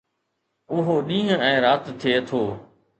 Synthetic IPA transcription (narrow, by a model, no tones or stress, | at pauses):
ʊɦoɗĩːɦʊ̃ɛ̃ːɾaːt̪t̪ʰːeːt̪ʰoː